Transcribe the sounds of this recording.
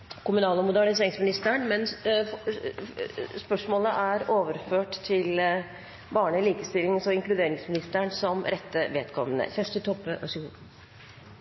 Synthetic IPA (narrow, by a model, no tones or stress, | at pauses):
kʊmʉnɑːləmʊd̪æɳɪseːɾɪŋsmɪnɪst̪əɳmɛn | spœʂmoːləʔæɾoːʋəɾføːʈt̪ʰɪl | bɑːɳəɪliːkəst̪ɪlːɪŋsɔɪŋklʉd̪eːɾɪŋsmɪnɪst̪əɳsɔmɾɛt̪ːəʋeːt̪kʰɔmːənə̰çɛʂt̪ʰɪlt̪ʰɔpːəʔɑ̰sɪuː